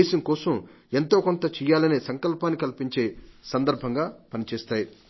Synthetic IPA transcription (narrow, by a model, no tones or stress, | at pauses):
eːsɐŋkɔːsɐm | e̞nt̪o̞ːkont̪ɐt͡ʃɛːjaːlɐneːsɐŋkɐlpaːnːikɐlpiɲt͡ʃeːsɐnd̪ɐɾbʱɐŋɡaːpɐnit͡ʃɛːst̪aːji